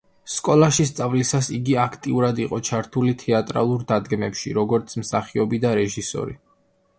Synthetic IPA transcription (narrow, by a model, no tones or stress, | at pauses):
skʼɔlˠaʃis̬t̪sʼavlisasiɡiakʰt̪ʼiuɾad̪iqʼɔt͡ʃʰaɾt̪ʰulit̪ʰɛat̪ʼɾa̰lˠuɾd̪ad̪ɡɛmɛpʃḭɾɔɡɔɾt̪sʰmsaχiɔbid̪aɾɛʒisɔ̰ɾḭ